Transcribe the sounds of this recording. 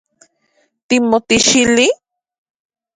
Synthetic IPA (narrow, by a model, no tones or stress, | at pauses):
t̪imot̪iʃili